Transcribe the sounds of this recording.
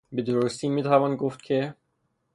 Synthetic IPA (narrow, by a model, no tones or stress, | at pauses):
bed̪oɾost̪ʰiːmiːt̪ʰævɑːnɡoft̪̚kʲʰe